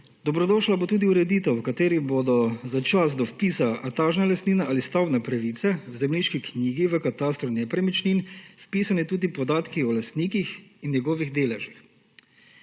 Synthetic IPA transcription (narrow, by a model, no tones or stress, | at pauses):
d̪ɔbɾɔd̪ɔʃlabot̪uːd̪iuɾɛd̪iːt̪ɛwkat̪eːɾibod̪ɔzat͡ʃasd̪ɔfpiːsaʔat̪aːʒnalast̪niːnaʔalist̪awnɛpɾaʋiːt̪sɛwzɛmliːʃkikniːɡiʋəkat̪aːst̪ɾunɛpɾɛmit͡ʃniːnfpiːsanit̪uːd̪ipɔd̪aːt̪kiɔlast̪niːkixinnjɛɡɔːʋiɣd̪eːlɛʒix